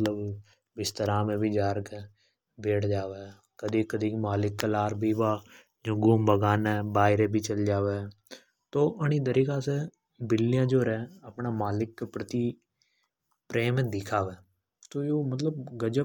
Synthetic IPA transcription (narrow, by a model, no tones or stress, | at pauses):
ləb | bɪst̪əɾãːmẽːbʱiːd͡ʒaːɾke | beːʈd͡ʒaːʋeː | kəd̪iːkəd̪iːkmaːlɪkːəlaːɾbʱiːbaː | d͡ʒoːɡuːmbəɡaːnɛːbaːɪɾeːbʱiːt͡ʃəld͡ʒaːʋeː | t̪oːʔəñiːd̪əɾiːkaːseː | bɪlɪjãːd͡ʒoːɾɛːəpnaːmaːlɪkːpɾət̪iː | pɾeːmẽːd̪ɪkʰaːʋeː | t̪oːjoːmət̪̬ləbɡəd͡ʒə